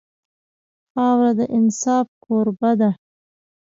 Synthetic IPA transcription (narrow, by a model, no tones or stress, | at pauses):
ɑwɾad̪əʔɪnsɑːfkʰoɾbad̪a